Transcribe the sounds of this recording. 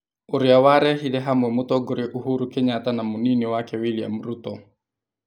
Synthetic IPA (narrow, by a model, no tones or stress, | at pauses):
oɾɪawaɾɛɦilɛɦamwɛmotɔɡoɾeʔuɦuɾukeɲatanamoninewakɛwilia̰muɾutɔ